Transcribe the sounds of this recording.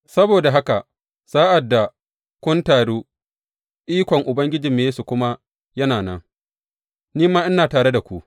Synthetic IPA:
sɐ˦boː˨da˨ɦa˦ka˨ʔ | saː˦ʔa˨dːa˨ | kʷʊ˦ntaː˨ɽuː˦ | ʔiː˦kʷɔ˨ŋʔʊ˨bɐ˦ŋɡʲɪ˦d͡ʒi˨mːeː˦su˨kʷʊ˦ma˦ | jɐ˦naː˨nɐ̰˦ŋ | niː˦maː˦ʔɪ˦naː˨taː˨ɽe˦da˨kʷu˦ʔ

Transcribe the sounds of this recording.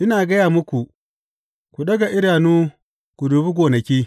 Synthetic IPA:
ʔɪ˦naː˨ɡɐ˦jaː˨mʊ˦kʷu˨ | kʷu˨ɗɐ˦ɡa˨ʔɪ˦ɽaː˨nuː˦ | ɡ̥ʷʊ˨duː˨bi˦ɡʷoː˨nɐ˨kʲiː˦

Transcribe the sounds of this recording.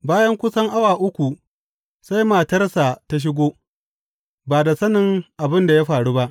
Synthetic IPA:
baː˦jɐ˦ŋkʷʊ˦sɐ˦ŋʔa˦waː˨ʔʊ˦kʷu˨ | sa˦jmaː˨tɐ˦rsa˨ta˦ʃ̬ɪ˦ɡʷoː˦ | baː˨da˨sɐ˦nɪ˨ŋʔa˨bɪ˦nda˨ja˦ɸaː˨ɽuː˦ba˦ʔ

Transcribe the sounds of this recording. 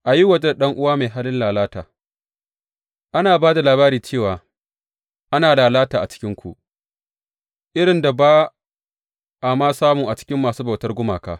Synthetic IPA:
ʔa˨ji˦wɐ˨d͡ʒe˦da˨ɗɐ˦ŋʔʊ˦waː˦ma˨jɦaː˦lɪ˦nlaː˨laː˦taː˨ | ʔa˦naː˨baː˦da˨laː˨βaː˦ɾiː˨t͡ʃeː˦˨waː˨ | ʔa˦naː˨laː˨laː˦taː˨ʔa˨t͡ʃɪ̥˦kʲɪ˦ŋkʷu˨ʔ | ʔɪ˦ɽɪ˨nda˨baː˦ | ʔa˨maː˦saː˦mʊ˨ŋʔa˨t͡ʃɪ̥˦kʲɪ˦mːaː˨suː˦ba˨wtɐ˦rɡʷʊ˦maː˨ka̰ː˦

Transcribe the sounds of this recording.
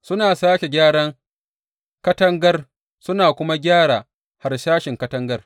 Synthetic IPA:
sʊ˦naː˨saː˦kʲe˨ɡʲaː˦ɽɐ˦ŋ | kɐ˦tɐ˦ŋɡɐ˦r | sʊ˦naː˨kʷʊ˦ma˦ɡʲaː˦ɽaː˨ | ha˨rʃaː˦ʃɪ˨ŋkɐ˦tɐ˦ŋɡɐ˦r

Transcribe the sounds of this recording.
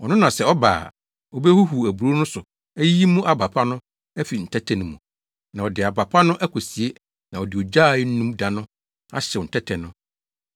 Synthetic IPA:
wɔ˨nʊ̃˦nã˨sɛ˨ɔ˦ba̰ː˨ | ɔ˨be˦hu˦ɦu˨æ˨bu˨ɾo˦nʊ̃˦sʊ˨ | æ˦ji˦mũ˦ʔa˨ba˨pʰa˦nʊ̃˦ | æ˦fi˨n̩˨tʰɛ˦tʰɛ˦nũ˨mṵ̃˨ | nã˨ɔ˨dɪ˨a˨ba˨pʰa˦nʊ̃˦ʔæ˦kʰɔ˨si˨e˦ | nã˨ɔ˨dɪ˨ɔ˨d͡ʑa˦˨ɪ˦n̩˦nũ˦mdã˨nʊ̃˦ | a̰˦ɕɛ˨wɔ˨n̩˨tʰɛ˦tʰɛ˨nʊ̃˦

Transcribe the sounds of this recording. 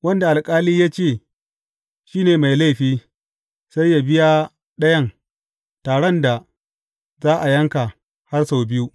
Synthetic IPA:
wɐ˦nda˨ʔa˨lkʼaː˦liː˦jaː˦t͡ʃeː˦˨ | ʃiː˦neː˨ma˨jla˦˨ɸiː˦ | sa˦jːa˨bɪ˦ja˦ | ɗɐ˦jɐ˦ŋ | taː˨ɽɐ˦nda˨ | zaː˦ʔa˨jɐ˦ŋka˨ | ha˦rsa˨wbɪ˦ju˦

